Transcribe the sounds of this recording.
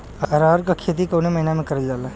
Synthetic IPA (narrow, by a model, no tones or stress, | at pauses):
ɐɐɾaːɾkakʰeːt̪̬ikoːnemɐɦɪnamẽkɐɾəd͡ʒaːla